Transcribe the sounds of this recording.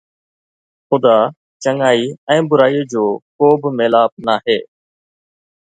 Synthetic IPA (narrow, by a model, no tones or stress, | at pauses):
xʊd̪aː | t͡ɕəŋaːiːɛ̃ːbʊɾaːiːd͡ʑoːkoːbɪmeːlaːp̚naːɦeː